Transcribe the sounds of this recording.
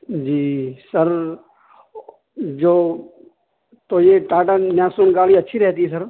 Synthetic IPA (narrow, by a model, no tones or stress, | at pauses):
d͡ʒiːsəɾ | d͡ʒoː | t̪oːjeʈaːʈanjãːsonɡaːliɐtːʃʰiɾɛɦt̪iɛs̬əɾ